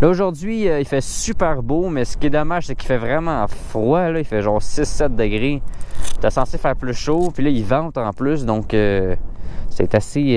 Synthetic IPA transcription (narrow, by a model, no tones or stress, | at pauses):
lʌoʒʊʁd̪zɥiəifɛsypɛːʁbomɛsə̥kʲjed̪ɔmaʒ̥seki̥fɛvʁɛmɑ̃fχwalʌifɛʒɑ̃ːʁsɪsːɛt̪̚d̪əɡʁet̪asɑ̃sefæːʁplysʃopilʌivɑ̃t̪ɑ̃ːplʏsd̪ɔ̃kø | sɛt̪ase